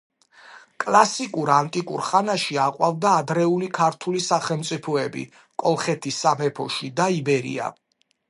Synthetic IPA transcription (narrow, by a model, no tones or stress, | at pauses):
kʼlˠasikʼuɾant̪ʼikʼṵɾχanaʃiaqʼwavd̪aːd̪ɾɛulikʰaɾt̪ʰulisaχɛlˠmt̪sʼipʰɔɛbḭ | kʼɔlˠχɛt̪ʰisamɛpʰɔʃid̪aibɛɾḭa̰